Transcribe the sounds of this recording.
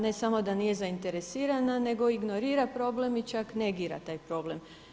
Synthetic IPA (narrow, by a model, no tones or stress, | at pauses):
ne̞samo̞d̪anije̞zaint̪e̞ɾe̞siːɾanane̞ɡo̞iɡno̞ɾiːɾapɾo̞ːble̞mit͡ʃakne̞ɡiːɾa̰t̪aːjpɾo̞ble̞m